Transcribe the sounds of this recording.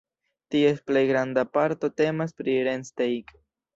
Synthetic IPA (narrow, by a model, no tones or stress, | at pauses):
tiesplejɡɾandapaɾto̞te̞maspɾiɾenstejk